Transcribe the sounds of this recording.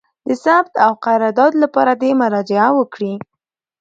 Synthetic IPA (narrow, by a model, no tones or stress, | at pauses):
d̪əsabt̪awqaɾɑɾd̪ɑt̪lapɑɾad̪emʊɾɑd͡ʒɪawəkɽi